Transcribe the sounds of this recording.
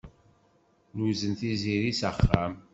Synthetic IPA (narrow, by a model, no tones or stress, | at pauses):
nuzənθiziɾisəχːam